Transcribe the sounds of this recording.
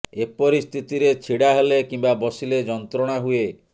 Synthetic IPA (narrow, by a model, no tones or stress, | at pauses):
epɔɾist̪ʰit̪iɾet͡ʃʰiɽaɦelekimbabɔsiled͡ʒɔnt̪ɾɔɽ̃aɦue